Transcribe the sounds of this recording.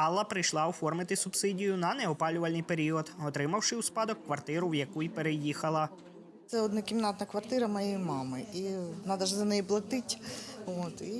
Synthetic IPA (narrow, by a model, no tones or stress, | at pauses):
ɑlˠːɐpɾɪjʃlˠɑɔfɔrmɪt̪ɪsʊbsɪdʲijʊnɐnɛɔpɑlʲʊʋɐlʲnɨjpeɾʲiɔd̪ɔt̪ɾɪmɐwʃɪwspɑd̪ɔkːʋɐrt̪ɪɾʊwjɐkujpeɾejixɐlˠɐ | t̪sɛɔd̪nɐkʲimnɑt̪nɐkʋɐrt̪ɪɾɐmɐjejmɑmɪinɑd̪ɐʒzɐnɛjiplˠɐt̪ɪtʲot̪i